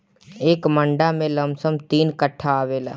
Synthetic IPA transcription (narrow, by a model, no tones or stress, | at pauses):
eːkməɳɖamẽlɐmsəmt̪iːnkəʈʰːaʋeːla̰ː